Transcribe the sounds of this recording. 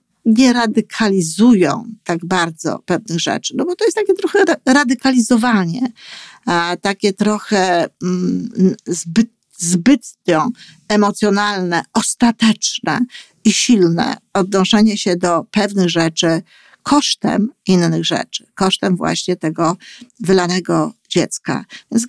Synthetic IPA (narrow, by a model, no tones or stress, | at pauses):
ɲɛɾad̪ɘkʰalʲizujɔ̰̃w̃t̪aɡbaɾd̪zɔ̰pɛvnɘɣʐɛ̰t͡ʂɘ̥nɔbɔt̪ɔjɛst̪akʲɛt̪ɾɔxɛɾad̪ɘkalʲizɔvaɲɛ | t̪akʲɛt̪ɾɔxɛ | zbɘt̪ | zbɘt̪ɔ̃ | ɛmɔt̪sʲjɔnalnɛɔst̪at̪ɛt͡ʂnɛ̰ | iɕilnɛ̰ɔd̪nɔʂɛɲɛɕɛd̪ɔpɛvnɘɣʐɛt͡ʂɘ | kʰɔʂt̪ɛ̰minːɘɣʐɛ̰t͡ʂɘ̥kɔʂt̪ɛmvwa̰ɕɲɛt̪ɛɡɔvɘlanɛɡɔd͡ʑɛt̪ska̰vʲjɛns